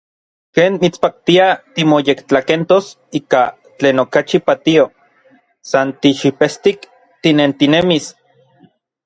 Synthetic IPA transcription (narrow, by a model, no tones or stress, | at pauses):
keːnmit͡spak̚t̪iat̪imojekt͡ɬakent̪os | iːka | t͡ɬeːnokat͡ʃipat̪io | sant̪iʃipest̪ik | t̪inent̪inemis